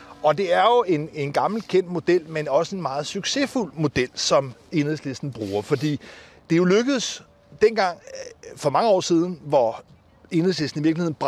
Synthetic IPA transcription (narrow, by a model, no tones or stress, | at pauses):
ɒ̽d̥e̝æɐjo̝e̝ne̝nɡ̥ɑ̈ml̩kʰen̰d̥mo̝d̥el̰menɒ̽səe̝nmɑ̈ːð̞̩ˠsyɡ̥se̝ful̰mo̝d̥el̰sɒ̽me̝nesle̝sd̥n̩b̥ʁuːɐfɒ̽d̥ḭː | d̥e̝jo̝løɡ̥əð̩ˠs | d̥enɡ̥ɑ̈ŋ̰fɒ̽mɑ̈ŋəɒ̰ːsiːð̞ˠn̩ʋɒ | e̝n̩ˠsle̝sd̥n̩iʋiɐɡ̥lihe̝ðˠn̩b̥